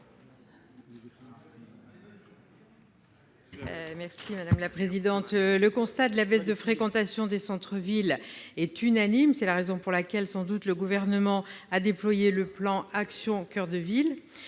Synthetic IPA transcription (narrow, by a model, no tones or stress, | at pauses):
mɛʁsimad̪amlapχezid̪ɑ̃t̪ləkɔ̃st̪ad̪əlabɛsd̪əfχekɑ̃t̪asjɔ̃d̪esɑ̃t̪χəvilɛt̪ynanimsɛlaʁezɔ̃puʁlakʲɛlsɑ̃d̪ut̪ləɡuvɛʁnəmɑ̃ad̪eplwajeləplɑ̃aksjɔ̃kʲœʁd̪əvil